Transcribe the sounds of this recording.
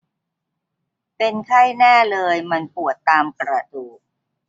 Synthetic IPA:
pe˧nkʰa˥˩jnɛː˥˩lɤː˧jma˧npu˨˩ət̪ːaː˧mkɾa˧duː˨˩k̚

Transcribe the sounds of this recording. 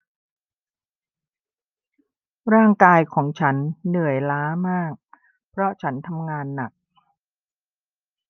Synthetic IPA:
ɾaː˥˩ŋkaː˧jkʰɔː˩˦ŋt͡ɕʰa˦˥nːɯ˨˩əjlaː˦˥maː˥˩k̚ | pʰɾɔ˦˥t͡ɕʰa˦˥nt̪ʰa˧mŋaː˧nːa˨˩k̚

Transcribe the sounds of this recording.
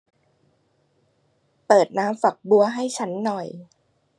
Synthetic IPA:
pɤː˨˩t̪̚naː˦˥mfa˨˩k̚bu˧ɐɦa˥˩jt͡ɕʰa˦˥nːɔ˨˩j

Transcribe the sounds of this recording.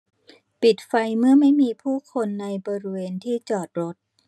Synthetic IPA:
pi˨˩t̪̚fa˧jmɯ˥˩ɐma˥˩jmiː˧pʰuː˥˩kʰo˧nːa˧jbɔː˧ɾi˦˥weː˧nt̪ʰiː˥˩t͡ɕɔː˨˩t̪̚ɾo˦˥t̪̚

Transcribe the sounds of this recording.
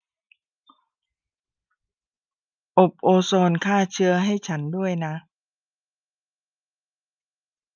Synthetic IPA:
ʔo˨˩p̚ʔoː˧sɔː˧nkʰaː˥˩t͡ɕʰɯ˦˥ɐɦa˥˩jt͡ɕʰa˦˥ndu˥˩əjna˦˥

